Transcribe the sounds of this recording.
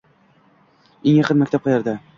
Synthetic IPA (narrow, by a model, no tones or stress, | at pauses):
eŋjɑqɤnmakʲt̪ʰap̚qʰɑjaɾd̪a